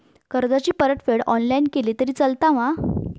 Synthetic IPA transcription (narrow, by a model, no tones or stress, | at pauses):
kəɾd͡zat͡ɕiːpəɾəʈfeɽɔnlainkeliːt̪əɾiːt͡səlt̪aʋã